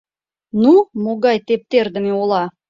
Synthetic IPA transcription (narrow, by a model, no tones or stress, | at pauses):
numoɣɑjt̪ep̚t̪erd̪ə̆meolˠɑ